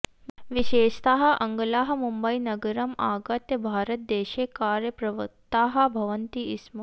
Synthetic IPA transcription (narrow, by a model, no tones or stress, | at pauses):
ʋiʃeːʃt̪aːɦɐʔɐŋɡɐlaːɦɐmumbəinɐɡɐɾɐmaːɡɐt̪jɐbʱaːɾət̪̚d̪eːʃeːkaːɾjɐpɾɐʋɐt̪aːɦɐ̆bʱɐʋənt̪iism